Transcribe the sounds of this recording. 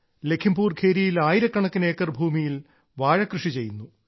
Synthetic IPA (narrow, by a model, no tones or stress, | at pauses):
le̞kʰimbuːrkʰeːɾijilaːjiɾɐkːɐɳɐkːine̞ːkːɐrbʱuːmijil | ʋaːɻɐkrɨʂit͡ɕe̞jːunːu